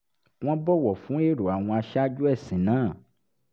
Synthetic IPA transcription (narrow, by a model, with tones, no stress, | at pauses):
w̃ɔ̃˦bɔ˦wɔ˨fũ˨˦e˦ɖo˨a˨w̃ɔ̃˧a˨ʃa˦d͡ʒu˦ɛ˦˨sĩ˨nãː˦˨